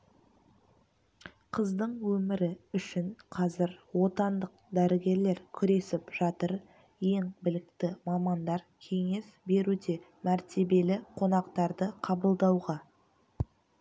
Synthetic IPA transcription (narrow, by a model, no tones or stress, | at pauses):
qʰəzd̪əɴwɵmɪɾɪʏʃɪɴqʰɑzɪɾwo̞t̪ɑnd̪əq̚d̪æɾɪɡʲe̞ɾle̞ɾkʲʰʏɾe̞sɪpʒ̥ɑt̪əɾ | je̞ŋbɪlɪk̚t̪ɪmɑmɑnd̪ɑɾkʲʰe̞ŋe̞sbe̞ɾud̪e̞ | mæɾt̪e̞be̞lɪqʰo̞nɑqt̪ɑɾd̪əqʰɑbəlˠd̪ɑwʁɑ